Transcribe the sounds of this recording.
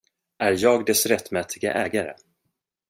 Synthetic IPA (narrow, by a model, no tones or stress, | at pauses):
ʔæɾjɑːɡd̪ɛsɾɛt̪ːmɛːt̪ʰɪɡa̰ʔɛːɡaɾə̰